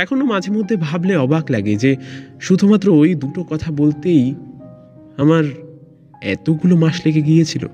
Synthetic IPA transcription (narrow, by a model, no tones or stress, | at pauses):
ɛkʰonomad͡ʑʱeɾmod̪ʱːebʱableɔbaklaɡed͡ʑeʃud̪ʱumat̪ːɾoojd̪uʈokɔt̪ʰabolt̪ej | amaɾ | ɛ̰t̪oɡulomaʃleɡeɡijet͡ɕʰilo̰